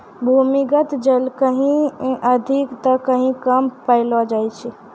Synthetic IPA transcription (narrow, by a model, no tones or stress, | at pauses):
bʱumiɡət̪d͡ʒəlkəɦĩəd̪ʱikt̪əkəɦĩkəmpəɪlɔd͡ʒajt͡ʃʰi